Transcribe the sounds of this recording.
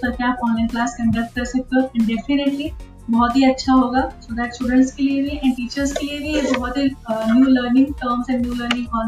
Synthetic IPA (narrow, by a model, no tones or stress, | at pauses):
sɐɾkeaːpɔ̃ːnlɛ̃ːnklaːskɐ̃ɳɖɐk̚ʈ̚kɐɾsɐk̚t̪eɦõɛ̃ɳɖefɪneʈli | bɔɦɔt̪ɦiɐtːʃʰaɦoːɡaːsoːd̪ɛːʈsʈuːɖə̃ɳʈskeliebʱiɛ̃ʈiːt͡ʃəɾskeliebʱib̪ɔbɔːt̪ɦinjuːləːɾnɪ̃ŋɡʈəːɾmsɛ̃ɳɖnjuːləːɾnɪ̃ŋkɔː